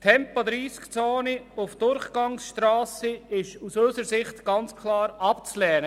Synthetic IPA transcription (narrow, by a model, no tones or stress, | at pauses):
tʰɛmpod̪ɾiːskt͡soːniʊfd̥ʊɾχɡ̥ɑŋsʃtɾaːsəɪʃusøsəɾsɪχtɡ̥ɑnt͡skʰlɑːɾɑpt͡slɛːnə